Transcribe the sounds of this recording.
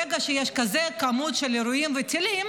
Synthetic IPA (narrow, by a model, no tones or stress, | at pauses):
eɡaʃejeʃkazekamut̪ʃeleɾujimvet̪ilim